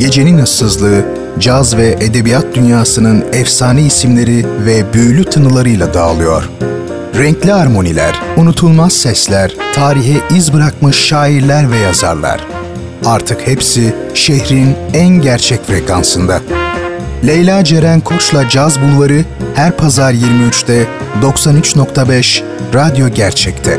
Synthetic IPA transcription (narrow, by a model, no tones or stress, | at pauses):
je̞d͡ʒe̞ninɯssɯzlˠɯː | d͡ʒazvɛʔed̪e̞bijat̪̚d̪ynjaːsɯnɯnɛfsaːniisimlʲe̞ɾivɛbyjlʲyt̪ʰanɯlˠaɾɯjlˠad̪aːlˠɯjo̞̰ɾ̥ | ɾɛɲclʲiaɾmo̞nilʲæ̰ɾ̥unut̪ʰulˠmazsɛslʲæɾ̥t̪ʰaːɾiçɛʔizbɯɾak̚mɯʃːaːiɾlʲæɾvɛjaza̰ɾlˠa̰ɾ̥ | aɾt̪ʰɯkhepsiʃehɾinænɟæɾt͡ʃʰɛcfɾekʰansɯnd̪a | lʲejlʲad͡ʒeɾænkʰo̞t͡ʃlˠad͡ʒazbulˠvaɾɯhæɾpʰazaɾjiɾmiyt͡ʃt̪ɛ | d̪o̞ksanyt͡ʃno̞kt̪ʰabɛʃ | ɾad̪jo̞ɟæɾt͡ʃʰɛct̪ʰɛ